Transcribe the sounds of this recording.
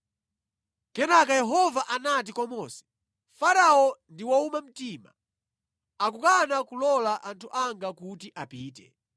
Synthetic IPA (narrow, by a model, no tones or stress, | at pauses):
kɛnakajɛɦɔvaʔanat̬ikɔmɔsɛ̥ | faɾaɔndiwaumam̩tiːma̰ | akukanakulɔlaʔantʰuʔaŋɡakutiʔapiːtɛ̰